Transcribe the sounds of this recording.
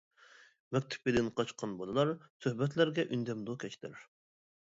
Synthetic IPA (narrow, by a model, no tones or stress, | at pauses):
mɛkʲt̪ʰɪ̥p̚id̪ɪnqʰɑt͡ʃqʰɑnbod̪ˠɨlˠɑɾsøhbɛt̪ʰlæɾɡʲɛʔynd̪ɛmd̪ukʲʰɛt͡ʃʰt̪ʰɪ̰ɾ